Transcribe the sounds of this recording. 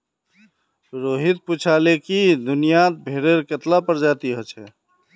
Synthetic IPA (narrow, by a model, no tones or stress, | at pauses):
ɾoɦit̪̚put͡ʃʰalekid̪unijat̪̚bʱeɾeɾket̪lapəɾd͡ʒat̪iɦət͡ʃʰɛ